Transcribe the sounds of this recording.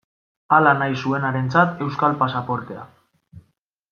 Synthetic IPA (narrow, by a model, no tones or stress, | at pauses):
alanajsue̞naɾe̞nt͡sat̪e̞wskalpasapo̞ɾt̪e̞a̰